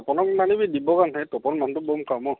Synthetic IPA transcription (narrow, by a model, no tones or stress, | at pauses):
ɔpɔnɔknanibidibɔkanɦatɔpɔnmantubomkamɔ